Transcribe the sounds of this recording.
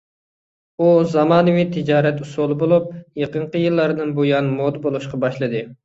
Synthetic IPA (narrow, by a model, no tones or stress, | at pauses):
uzɑmɑːnɨwit̪ʰɪd͡ʒɑːɾɛt̪usolˠɨbolˠup̚jeqəɴqəjɨlˠːɑɾd̪ɨŋbojɑnmod̪ɨbolˠuʃqɑbɑʃlˠɨd̪ɨ